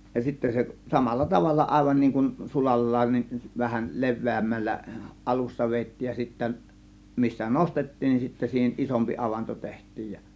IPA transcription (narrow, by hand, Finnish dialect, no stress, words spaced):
jɑ sitːæ se sɑmɑlːɑ tɑʋɑlːɑ ʔɑˑe̝ʋɑn niːŋ kun sulɑlːɑːn nin ʋæhæl le̞ʋˑeˑæmːælːæ ʔɑlusːɑ ʋeːtːiːj jɑ sitːæ misːæ nostetːiːn nin sitːæ siːhen ʔisompi ɑʋɑnto tehtˑiːj jɑ